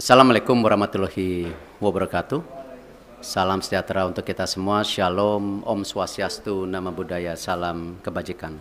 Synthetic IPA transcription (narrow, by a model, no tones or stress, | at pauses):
salamːalekʊmuɾamat̪ulohi | wɔbərkat̪u | salamsəd͡ʒat̪ɾaunt̪ʊkːit̪asəmuaʃialɔmɔmsuasiast̪unamabudajasalamkəbad͡ʒikan